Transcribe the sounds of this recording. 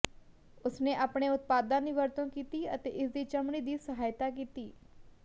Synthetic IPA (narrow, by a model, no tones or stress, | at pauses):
ʊsneːʔaːpɽ̃eːʊt̪̚paːd̪ãːd̪iːʋəɾt̪ə̃nkiːt̪iːət̪ḛːʔɪsd̪iːt͡ʃəmɽ̃iːd̪iːsəɦaːjt̪aːk̬iːt̪iː